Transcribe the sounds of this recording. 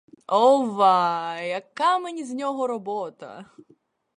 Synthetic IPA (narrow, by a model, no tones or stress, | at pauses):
ɔʋɑjɐkːamenʲizʲnʲɔɦɔɾɔbɔt̪ɐ̰